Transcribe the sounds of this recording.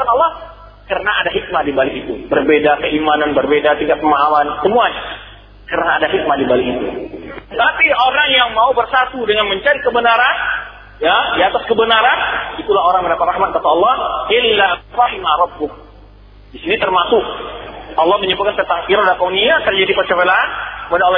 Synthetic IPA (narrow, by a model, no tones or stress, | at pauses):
anɔlːɑh | kərənaadaɦik̚madibalikit̪ubərbedakəimananbərbedat̪iŋkat̪̚pəmaɦalansəmuaɲa | kəɾənaːdaɦik̚madimbalikit̪utət̪apioɾaŋjaŋmaubərsat̪udəŋanməɲt͡ʃaɾikəbənaɾan | jadiat̪askəbənaɾanit̪ulahoɾaŋməndapat̪̚rahmat̪̚kat̪aɔlːɑhʔɪlːarɑhimaɾɑbːʊk̚ | disinit̪ərmasʊkʔɑlːɑhməɲəbut̪̚kant̪ət̪akiɾadakauniat̪ərd͡ʒadipət͡ʃəpelaanəpadaol